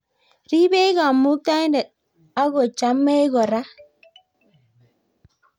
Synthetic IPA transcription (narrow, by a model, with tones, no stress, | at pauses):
ɾi˦be˦ɣa˨mːu˦ta˦nde˨ | a˦ɣo˨t͡ʃa˨mːe˦e˦ɣɔ˨ɾa˦